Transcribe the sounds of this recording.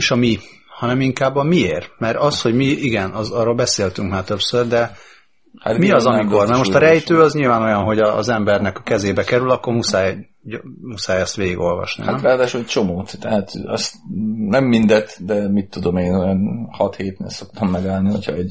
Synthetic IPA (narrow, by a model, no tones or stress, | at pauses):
ʃɒmi | hɒnɛmiŋkaːbːɒmieːrmɛɾɒsho̞ɟmiiɡɛnɒzɒrːoːlbɛseːlt̪yŋkmaːrt̪øpsørd̪ɛ | ha̰t̪miɒzɒmikormɛrmo̞ʃt̪ɒɾɛjt̪øːɒzɲilvaːno̞jɒnɦo̞ɟɒ̰ːzɛmbɛrnɛkɒkɛzeːbɛkɛɾylɒkːo̞rmusaːj | musaːjɒst̪ʋeːɡiɡo̞lvɒ̰ʃnḭaɾaːd̪aːʃulɛt͡ʃomoːt̪t̪ɛɦat̪ɒ̰st̪nɛmːind̪ɛt̪d̪ɛmit̪ːud̪omeːnojɒnhɒt̪heːt̪̚nḛːlso̞kt̪ʰɒmːɛɡaːlniho̰chɒ̰ɛɟ